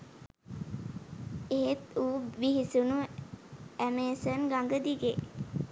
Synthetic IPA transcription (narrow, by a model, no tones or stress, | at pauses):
eɦet̪uːʋiɦisunu | æmeːsənɡaŋɡəd̪iɡe